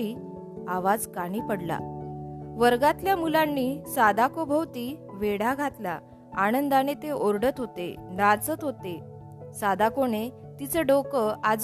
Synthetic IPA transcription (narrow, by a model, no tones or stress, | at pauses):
i | aʋad͡zkaɽ̃ipəɽla̰ | ʋəɾɡat̪ljamulanːisad̪akobʱəwt̪iʋeɽaɡʱat̪la̰ | aɽ̃ənd̪anet̪eʔoɾɖət̪ɦot̪ḛnat͡sət̪ɦot̪e | sad̪akone | t̪it͡səɖokəad͡z